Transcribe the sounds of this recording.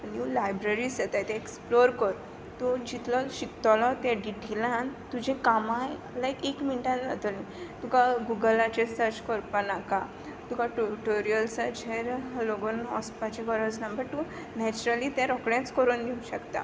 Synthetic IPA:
njulajbɾeɾiset̪ajt̪ɛ̃eksploɾkəɾ | t̪ud͡ʑit̪ʰlɔɕikt̪ɔlɔt̪jaɖiʈʰilãnt̪ud͡ʑẽkamãj | lajkekminʈãnd͡zat̪olmi | t̪ukaɡuɡəlat͡ɕesəɾt͡ɕkɔɾpənaka | t̪ukaʈuʈoɾijəlsad͡ʑʱeɾɦaloɡonɔspat͡ɕikɔɾət͡snəmbəɾt̪u | nɛt͡ɕɾəlit̪jãɾɔkɽãt͡skəɾund̪iuɕəkt̪a̰

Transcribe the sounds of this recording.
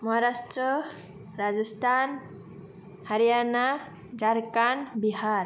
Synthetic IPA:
maɦaɾastɾə | ɾad͡ʒəst̪an | haɾijana | d͡ʒaɾkanbihaɾ

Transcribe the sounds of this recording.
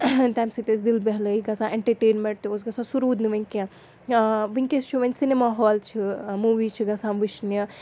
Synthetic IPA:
t̪ɐmsit̪es̬d̪ilbɐɦlɐiɡɐsãːʔeɳʈɐɾʈeːnmeɳʈ̚t̪iosɡɐsʰãsuɾuːd̪niʋɐŋkã | ʋiŋkest͡ʃʰuʋɐnʲsinemaːɦɔːlt͡ʃʰimuːʋiːt͡ʃʰiɡɐsãmʋiʃnjɐ

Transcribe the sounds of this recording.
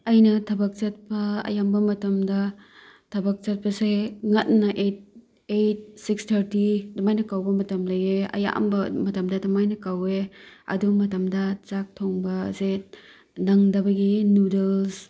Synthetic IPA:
ɐjnɐtʰɐbɐk̚t͡ʃɐt̚pɐɐ̰jambɐmɐtɐmdɐtʰɐbɐk̚t͡ʃɐt̚pɐseŋɐt̚nɐʔet̚ | et̚sikstʰɐɾtidɐmajnɐkawbɐmɐtɐmlɐjeɐ̰ja̰mbɐmɐtɐmdɐdɐmajnɐkaweɐ̰dumɐtɐmdɐt͡ʃak̚tʰoŋbɐse | nɐŋdɐbɐɡinudels

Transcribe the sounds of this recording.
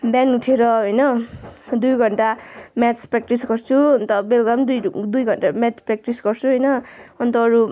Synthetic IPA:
bjanuʈʰeɾʌɦojnʌd̪ujɡʱʌɳʈamat͡sprak̚ʈisɡʌrt͡sʰuʌnt̪ʌbelɡ̪ʌmd̪ujd̪ujɡʱʌɳʈamat͡sprak̚ʈisɡʌrt͡sʰuɦʌjnʌʌnt̪ʌːɾu

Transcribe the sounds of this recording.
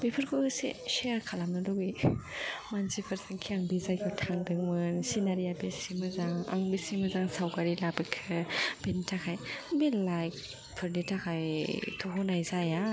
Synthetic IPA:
bepʰɯɾkʰoseʃeɾkʰalamnɯlowi | mansipʰɯɾsaŋkʰiaŋbizajkʰɯtʰaŋdɯŋmɯnsinaɾijabesimɯzaŋa̰ŋbesimɯzaŋsawɡaɾilabikʰɯbenitʰakʰajbellajk̚ | pʰɯɾnitʰakʰajtʰoɦunajzaja

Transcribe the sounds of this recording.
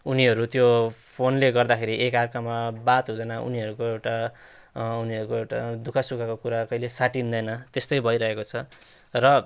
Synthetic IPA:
uniɦʌɾut̪jopʰonleɡʌrd̪akʰeɾiʔekarkamabat̪ɦud̪ʌnʌṵniɦʌɾukoewʈa | uniɦʌɾukoewʈad̪ukʰasukakokuɾakʌilesaʈind̪ʌjnʌt̪est̪ʌjbʱʌjɾʌɦekot͡sʰʌ | rʌ

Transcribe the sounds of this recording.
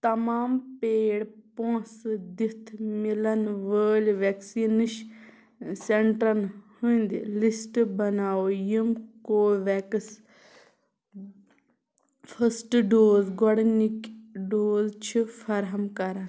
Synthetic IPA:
t̪ɐmaːmpeːɽpõːsd̪it̪ʰmilɐnʋəːlʋeksiːnɨʃ | seɳʈɾɐnhũnd̪ḭlisʈbɐnaːojimkoːʋɛks | fʰəsʈɖoːzɡɔɽnikɖoːzt͡ʃʰifʰɐɾɦɐmkɐɾɐn

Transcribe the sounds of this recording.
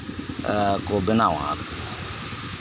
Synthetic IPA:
kobɪnawã̰ɾ

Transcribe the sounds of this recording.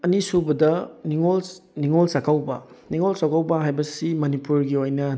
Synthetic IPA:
ɐnisubɐdɐniŋolniŋolsakʰawbɐ̰ | niŋolsakʰawbɐɦajbɐsimɐnipuɾɡiojnɐ

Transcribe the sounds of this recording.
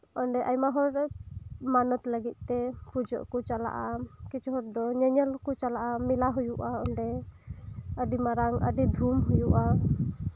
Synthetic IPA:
ɔɳɖɛʔajmaɦɔɾ | manɔt̪ləɡit̪̚ˀt̪ɛpud͡ʒɔ̰ʔkɔt͡ʃala̰ʔakit͡ʃɦɔɾd̪ɔɲɛɲɛlkɔt͡ʃalaʔamilaɦujuʔaɔɳɖɛ | əɖimaɾaŋə̰ɖid̪ʱumɦujuʔa

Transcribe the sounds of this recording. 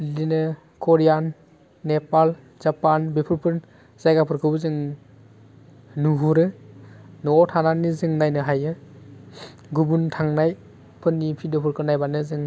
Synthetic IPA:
linɯ | kʰoɾijanː | epal | zapanbepʰɯɾpʰɯn | z̥ajɡapʰɯɾkʰɯbɯzɯŋ | nuɦuɾɯ | nɔɔtʰananizɯŋnajnɯɦajɯ | ɡubuntʰaŋnaj | pʰɯnːipʰidɯpʰɯɾkʰɯnajbanɯzɯŋ

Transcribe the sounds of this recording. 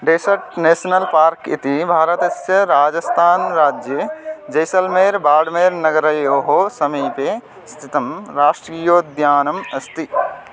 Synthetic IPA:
ɖesɐɾʈneːʃɐnɐlpaːɾkḭt̪ibʱaːɾɐt̪ɐsjɐɾaːd͡ʒɐst̪ʰaːnɾaːd͡ʒjɐd͡ʒɐjsɐlmeːɾbaːɖmeːɾnɐɡɐɾɐjoːɦoːsɐmiːpe | st̪ʰit̪ɐmɾaːʂʈɾiːjoːd̪jaːnɐmɐst̪i

